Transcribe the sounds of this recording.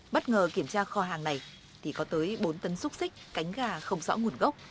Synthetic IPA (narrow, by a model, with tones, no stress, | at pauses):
ɓə˦˥t̚ŋəː˨˩ki˧˩əmt͡ɕaː˧xɔ˧ɦaː˨˩ŋna˨˩j | t̪ʰi˨˩kɔ˨˦t̪əː˨˦jɓo˨˦nt̪ə˨˦nsʊ˦˥k͡p̚si˦˥k̟̚ka˨˦jŋ̟ɣaː˧˩xə˧wŋ͡mzɔ̰˧˥ŋu˨˩ənɣə˦˥wk͡p̚